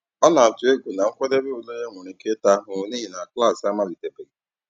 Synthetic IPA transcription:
ɔ˦na˨a˨tʊ˨e˦ɡʷu˨na˨ŋ̩˦kʷe˦de˦be˦o˨lo˦je˦ŋʷe˨ɾi˨˦ke˦ta˦ɦʊ˨˦ni˦ɦi˨na˨kla˦˨sa˦ma˦li˨te˨be˨li˨

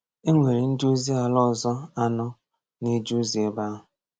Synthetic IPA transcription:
e˦ŋʷe˨ɾi˨n̩˦du˦zi˦a˨lɔ˦˨zɔ˦a˦nɔ˦ | ne˦d͡ʒu˦zi˨e˨ba˦ɦʊ˨

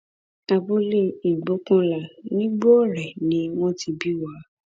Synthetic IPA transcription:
a˧bo˦le˧i˨ɡ͡bo˨˦kã˧la˨nĩ˦ɡ͡bo˦˨ɾɛ˨nĩ˨˦w̃ɔ̃˦ti˧bi˦wa˨˦

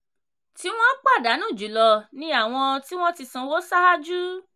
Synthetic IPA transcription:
ti˨˦w̃ɔ̃˦k͡pa˦˨da˨˦nũ˦˨d͡ʒu˨˦lɔ˧nĩ˦a˦˨w̃ɔ̃˧ti˦w̃ɔ̃˦ti˧sã˧wo˦sa˦a˦d͡ʒu˦

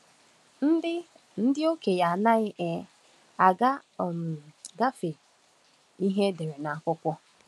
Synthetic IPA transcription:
n̩˦ɪ˦ | n̩˦dɪ˦o˦ke˨ja˨na˦ɪ˦ʔe˨ | a˨ɡa˦˨m˨ɡa˦fe˨ | i˦ɦe˦de˨ɾe˨na˨a˨kʷʊ˦kʷɔ˦

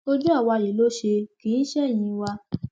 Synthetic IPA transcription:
o˧d͡ʒu˦a˦˨wa˧˨je˨lo˦ʃe˧kĩ˨˦n̩˦ʃɛ˦˨j̃ĩ˧wa˧

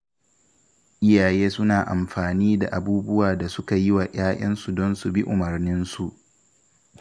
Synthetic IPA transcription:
ʔɪ˦jaː˨jeː˦sʊ˦naː˨ʔa̰˨mɸaː˨niː˦da̰˨ʔa˨buː˦bʊ˦waː˨da˨sʊ˦ka˨jɪ˦waː˨ʔaː˦ʔɐ˦nsu˨dɔ˦nsu˨bi˦ʔʊ˨mɐ˨rnɪ˦nsu˨ʔ

